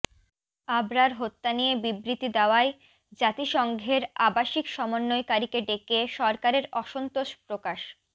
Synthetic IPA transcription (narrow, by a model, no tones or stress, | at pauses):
abɾaɾɦot̪ːanijebibɾit̪id̪eoae | d͡ʑat̪iʃɔŋɡʱeɾabaʃikʃɔmonːojkaɾikeɖekeʃɔɾkaɾeɾɔʃont̪oʃpɾokaʃ